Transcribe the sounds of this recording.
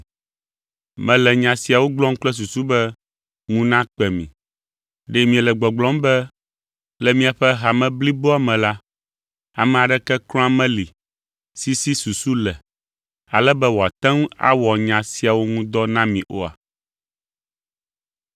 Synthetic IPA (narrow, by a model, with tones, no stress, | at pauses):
mɛ̃˨lɛ˨ɲã˨si˨a˨wo˦ɡ͡blɔ̃˦ŋ̩˦k͡plɛ˦s̬u˨su˦bɛ˦ | ŋũ˦nã˦k͡pɛ˨mĩ˨ | ɖe˦mĩ˨ɛ˨lɛ˨ɡ͡bɔ˨ɡ͡blɔ̃˦mbɛ˦ | lɛ˨mĩ˦a˨ɸɛ˦ɦa˨mɛ̃˦bli˦bo˦a˨mɛ̃˨la˦ | a˨mɛ̃˨a˨ɖɛ˦kɛ˦klɔ̃˦a˦mɛ̃˦li˨ | si˦si˦su˨su˦lɛ˨ | a˨lɛ˦bɛ˦wo˨a˨t̪ɛ̃˦ŋ˦a̰˦wɔ˨ɲã˨si˦a˨wo˦ŋũ˦d̪ɔ˦nã˦mĩ˨ʔo˦a̰˨